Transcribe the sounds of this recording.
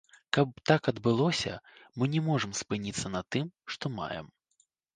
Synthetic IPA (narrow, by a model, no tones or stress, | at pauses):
kɐp̚t̪akɐd̪bɨlˠɔsʲɐ̰mɨnʲɛmɔʐɨmspɨnʲit̪sːɐnɐt̪ɨmʂt̪ɔma̰jɛ̰m